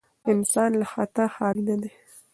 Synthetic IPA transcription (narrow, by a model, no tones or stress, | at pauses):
ɪnsɑnlaxat̪axɑlnad̪e